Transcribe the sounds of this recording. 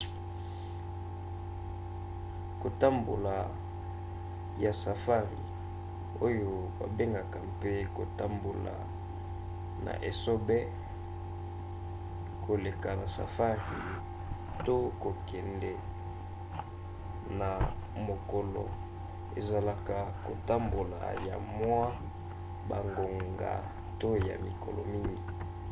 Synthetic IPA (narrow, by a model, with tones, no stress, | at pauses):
ko˨ta˦mbo˨la˨ | ja˨sa˨fa˦ʁḭ˨ | o˦jo˦ba̰˨be˦ŋɡa˨ka˨mpe˦ko˨ta˦mbo˨la̰˨ | na̰˨ʔe˨so˦bɛ˦ | ko˨le˨ka˨na˨sa̰˨fa˦ʁi˨ | to˦ko˨kɛ˨ndɛ˨ | na˨ | mo˨kɔ˨lɔ̰˨ | ḛ˨za˨la˨ka˨ko˨ta˦mbo˨la̰˨ja̰˨mwa˦ | ba˨ŋɡo˨ŋɡa̰˨ | to˦ja̰˨mi˨kʰɔ̰˨lɔ̰˨mi˦ŋɡi˨